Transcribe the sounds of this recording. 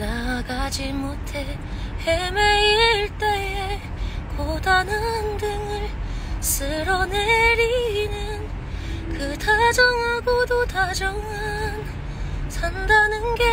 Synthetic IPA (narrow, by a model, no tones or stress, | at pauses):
naɡad͡ʑimotʰe̞ | hemeiɭt͈eje | kodanɯndɯŋɯɭsɯɾʌneɾinɯn | kɯtʰad͡ʑʌŋɦaɡodotad͡ʑʌŋan | sʰandanɯnɡe